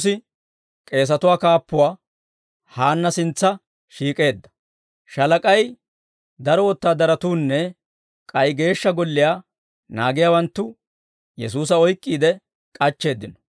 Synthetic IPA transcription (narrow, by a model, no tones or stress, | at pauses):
sɪ | kʼe̞ːs̬ɐt̪ʊwaːkaːpːʊwaː | haːnːɐsɪnt͡sːɐ | ʃiːkʼe̞ːd̪ːɐ̥ | ʃɐlɐkʼɐj | d̪ɐɾɔwɔt̪ːaːd̪ɐɾɐt̪uːnːɛ | kʼɐjɡe̞ːʃːɐɡɔlːɪjaː | na̰ːɡɪjaːwɐnt̪ːʊ | jɛs̬uːs̬ɐɔjkʼːiːd̪ɛ | kʼɐt͡ʃːe̞ːd̪ːɪnɔ̥